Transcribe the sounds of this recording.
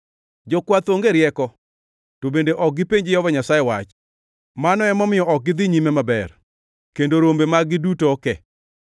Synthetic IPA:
d͡ʒɔkwat̪oŋɡeɾjɛkɔ | tobendeʔɔk̚ɡɪpeɲd͡ʒɪjɔvɔɲasajewat͡ʃ | manɔɛmɔmɪjɔʔɔk̚ɡɪd̪ɪɲimemabɛr | kendoɾombemaɡɪdutokɛ

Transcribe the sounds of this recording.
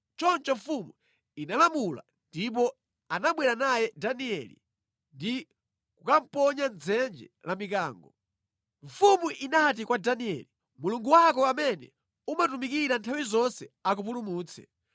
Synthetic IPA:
t͡ʃɔnt͡ʃɔɱfumu | inalamula̰ | ndip̬ɔ | anaɓwɛɾanajɛdaniɛlḭ | ndi | kukam̩pɔɲand͡zɛnd͡ʒɛ̰lamik̬aːŋɡɔ | ɱfumuʔinat̬ikwadaniɛ̰li | muluŋɡuwakɔamɛnɛ̰ | umatumikiɾantʰawizɔnsɛak̬up̬ulumuːt͡sʰɛ̥̰

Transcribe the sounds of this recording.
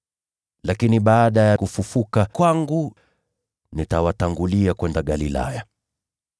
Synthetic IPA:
lakiniɓaːɗajakufufukakwaŋɡu | nitawataŋɡuliakwɛndaɠalila̰ja

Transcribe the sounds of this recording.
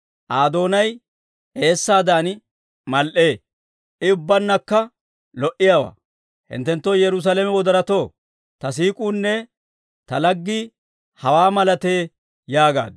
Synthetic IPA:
ʔaːd̪o̞ːnɐj | e̞ːsːaːd̪aːn | mɐlʔeː | ʔɪʊbːɐnːɐkːɐ | lɔʔɪjaːwa̰ː | hɪ̰nt̪ːɛnt̪ːoːjɛɾʊs̬alɛmɛwɔd̪ɐɾɐt̪o̞ː | t̪ɐsiːkʼuːnːɛ | t̪ɐlɐɡːɪ | hɐwaːmɐlɐt̪eː | jaːɡa̰ːd̪

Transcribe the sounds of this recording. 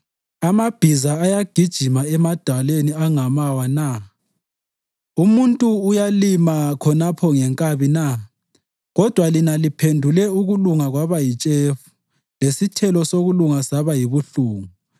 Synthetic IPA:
amab̥ʱizaːjaɡ̥ʱid̥ʒ̥ʱimaɛmad̥ʱaleniaŋamawana | umuntʼuːjalimakʰɔnapʰɔŋɛŋkʼaβina | ɣɔd̥ʱwalinalipʰendʱulɛuɣuluŋaɣwaβajit͡ʃʼefu̥ | lesitʰɛlɔsoɣuluŋasaβajiβuɬuːŋu

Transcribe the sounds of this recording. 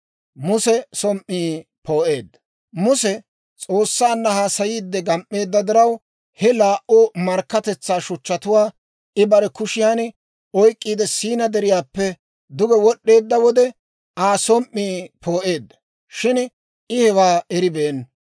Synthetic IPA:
mʊsɛsɔmʔːiːpo̞ːʔe̞ːd̪ːɐ | mʊsɛ | t͡sʼoːsːaːnːɐhaːsɐjiːd̪ːɛɡɐmʔːe̞ːd̪ːɐd̪ɪɾɐw | hɛlaːʔoːmɐɾkːɐt̪ɛt͡sːaːʃʊt͡ʃːɐt̪ʊwaː | ʔɪbɐɾɛkʊʃɪjaːn | ɔjkʼːiːd̪ɛsiːnɐd̪ɛɾɪjaːpːɛ | d̪ʊɡɛwɔɗːe̞ːd̪ːɐwɔd̪ɛ | aːsɔmʔːiːpo̞ːʔe̞ːd̪ːɐ̥ | ʃɪn | ɪhɛwaːɛɾɪbeːn

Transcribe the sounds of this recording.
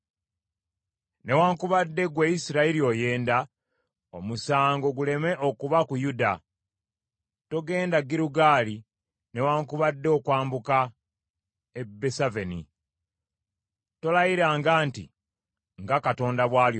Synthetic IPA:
ne̞waːŋkuβadːe̞ɡwejisiɾaelio̞je̞ːnda | omusaːŋɡo̞ɡule̞me̞ʔokuβakujuda | to̞ɡe̞ːndaɡiɾuɡaːli | ne̞waːŋkuβadːeokwaːmbuka | ebːesavenḭ | to̞lajiɾaːŋɡaːnti | ŋɡakato̞ːndaβwaːljo

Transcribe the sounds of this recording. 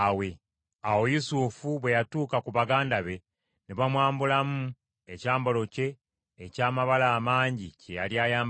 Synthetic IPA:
we̞ | awo̞jusufuβwe̞jatuːkakuβaɡaːndaβe̞ | neβamwaːmbulamu | e̞caːmbo̞lo̞ce̞ː | caːmaβalaːmaːɲɟice̞ja̰ljaːjaːm

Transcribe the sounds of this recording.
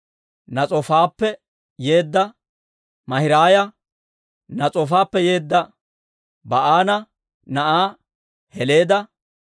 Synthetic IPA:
nɐt͡sʼɔfaːpːɛ | je̞ːd̪ːɐ | mɐhɪɾaːjɐ | nɐt͡sʼɔfaːpːɛje̞ːd̪ːɐ | bɐʔaːnɐ | nɐʔaː | hɛle̞ːd̪ɐ

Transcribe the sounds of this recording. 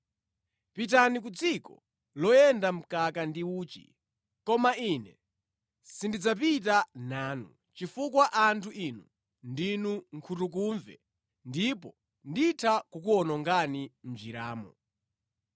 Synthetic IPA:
pit̬anik̬ud͡zikɔ | lɔjɛndam̩kakandiuːt͡ʃḭ | kɔmainɛ | sindid͡zap̬it̬anaːnṵ | t͡ʃifukwaʔantʰuʔinu | ndinuŋkʰutuk̬uɱvɛ̰ | ndipɔ | nditʰakukuɔnɔŋɡanim̩d͡ʒiɾaːmɔ̰

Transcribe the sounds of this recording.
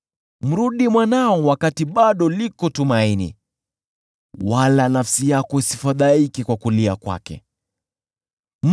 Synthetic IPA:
m̩ɾuɗimwanaɔwakatiɓaɗɔlikɔtumainḭ | walanafsijakɔisifaðaikikwakuliakwa̰kɛ̰ | m

